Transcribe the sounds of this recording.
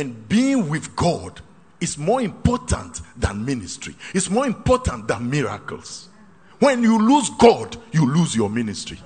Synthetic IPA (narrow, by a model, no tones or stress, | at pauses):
ɛ̃nbiɪ̃ŋwiðɡɔd | izmɔĩmpɔtʰã̰ntðã̰nministɹ̥ḭitsmɔɹĩmpɔtʰãnt̚ðãnmiɹa̰kə̰lˠs | wɛ̃njuluzɡɔdjuluzjɔministɹ̥ḭ